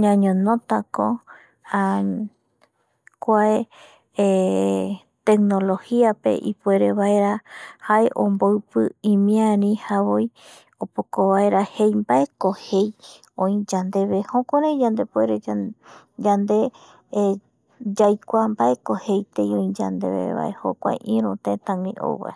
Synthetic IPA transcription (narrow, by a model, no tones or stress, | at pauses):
ɲãɲõnõt̪ako̰ | a | kʷae | t̪ek̚no̞lo̞hiape̞̰ʔipe̞ɾe̞βae̞ɾahaeʔõ̰mboɨpɨĩmĩãnĩhaβoj | opokoβaeɾahe̞jmbae̞kohej | õĩd͡ʒãnd̪e̞βehõkʷoɾãĩd͡ʒãnd̪e̞pueɾe | d͡ʒand̪e̞ | d͡ʒajkʷambaʔekohejt̪ejõĩd͡ʒa̰nd̪ḛβḛβa̰ʔḛho̰kʷa̰jʔĩɾ̃ũt̪ẽt̪ãŋɾḭ̃ʔo̰wβa̰